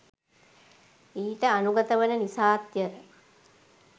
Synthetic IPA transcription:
iːʈəanuɡət̪əʋənənisaːt̪jəɾə

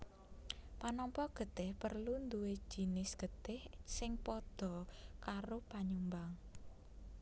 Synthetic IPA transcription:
panɔmpɔɡ̥ə̤t̪ɪhpərlund̪ue̥ʒ̥i̤nɪsɡ̥ə̤t̪ɪhsɪŋpɔd̪̥ɔ̤kaɾopaɲumbaŋ

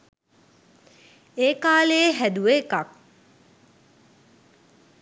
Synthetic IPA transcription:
eːkaːlejeɦæd̪uʋekak̚

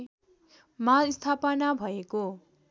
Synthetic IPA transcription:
maist̪ʰapʌnabʱʌeko

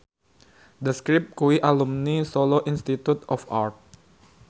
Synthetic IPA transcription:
dəskɾip̚kuiʔalumnisoloʔinst̪it̪ut̪ɔfart̪̚

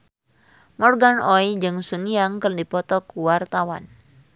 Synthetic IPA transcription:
mɔrɡanɔjd͡ʒɨŋsuniaŋkərdipɔt̪ɔkuwart̪awa̰n

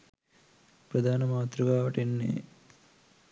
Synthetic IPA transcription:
pɾɐd̪ʱaːnɐmaːt̪ɾuɡaːʋɐʈenːḛː

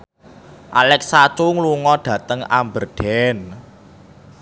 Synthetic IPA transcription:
ʔalɛksat͡ʃʊŋluŋɔɖ̥ä̤t̪əŋa̰mbərɖ̥ɛn

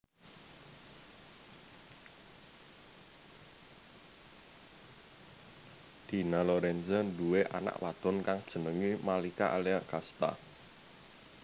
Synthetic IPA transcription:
d̪̥i̤nalɔɾɛnsənduweʔa̰na̰ʔwa̰d̪̥ɔ̤nkaŋd̥ʒ̥ə̤nəŋimalikaʔaleaʔkast̪a̰

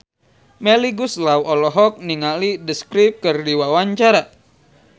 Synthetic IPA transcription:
mɛliɡuslawɔlɔɦɔk̚niŋalidəskɾip̚kɨrdiwawaɲt͡ʃaɾa

